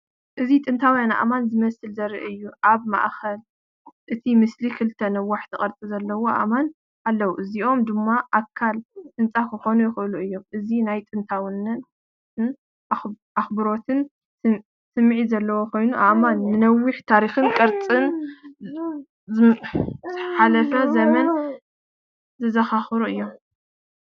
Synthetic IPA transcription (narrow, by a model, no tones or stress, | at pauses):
ʔɨzit̪ʼɨnt̪ʰawjana̰ʔa̰manzɨmɐsɨlzɐɾḭʔɨjːuʔaβma̰ʔxɐl | ʔɨt̪ʰimɨslikʰɨlt̪ʰːɐnɐwːaħt̪ʰɨkʼɐɾt͡sʼizɐlːɐwo̞ʔa̰man | ʔalːɐwuʔɨziʔo̞md̪ɨmːaʔakʰːalʔɨnt͡sʼakʰɨxo̞nujɪxʔɨluɨjːo̞mʔɨzinajt̪ʼɨnt̪ʰawɨnɨn | n | axbɨɾo̞t̪ʰɨn | sɨmːʕizɐlːɐwo̞kʰo̞jnuʔaʔmanːɨnɐwːiħt̪ʰaɾixɨnkʼɐɾt͡sʼɨn | z | ħalɐfɐzɐmɐn | zɨzɐxaxɨɾuɨjːom